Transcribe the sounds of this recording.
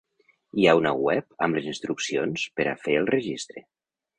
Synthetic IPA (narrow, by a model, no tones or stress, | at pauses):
iaunəwɛpəmləzinst̪ɾuksionspəɾa̰feəlˠrəʒist̪ɾe